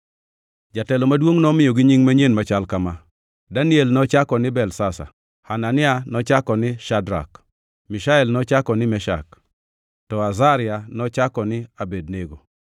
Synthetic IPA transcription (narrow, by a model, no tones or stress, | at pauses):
d͡ʒatɛlɔmadwoŋnɔmɪjɔɡɪɲiŋmaɲenmat͡ʃalkama | danɪelnɔt͡ʃakɔnɪbɛlsasa̰ | hananɪanɔt͡ʃakɔnɪʃadɾa̰k | miʃaɛlnɔt͡ʃakɔnɪmɛʃa̰k | tɔazaɾɪanɔt͡ʃakɔnɪabed̚neɡo